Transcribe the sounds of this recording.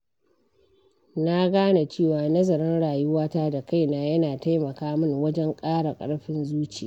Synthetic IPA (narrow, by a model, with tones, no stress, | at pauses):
na˦ɡaː˦na˨t͡ʃeː˦˨waː˨nɐ˦zɐ˨ɾɪ˦nɽaː˨jʊ˦waː˦taː˦da˨ka˦˨jnaː˨jɐ˦naː˨ta˦jmɐ˨kaː˦mɪ˦˨ŋwɐ˦d͡ʒɛ˦ŋkʼaː˦ɽa˨kʼɐ̰˦ɽɸɪ˦nzuː˦t͡ʃi˨a˨